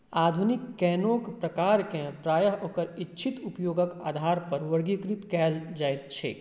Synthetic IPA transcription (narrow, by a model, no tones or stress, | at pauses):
aːd̪ʱunɪkːɛːnoːkpɾɐkaːɾkẽpɾaːjəɦoːkəɾɪtːt͡ʃʰit̪ʊpjoːɡəka̰ːd̪ʱaːɾpɐɾʋɐɾɡikɾɪt̪kɛːld͡ʒaːet̪t͡ʃʰḛː